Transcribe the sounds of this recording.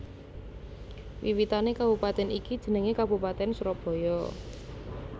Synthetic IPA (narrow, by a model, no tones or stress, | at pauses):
wiwit̪anekabupat̪ɛnikid̥ʒ̥ə̤nəŋekabupat̪ɛnsuɾɔb̥ɔ̤jɔ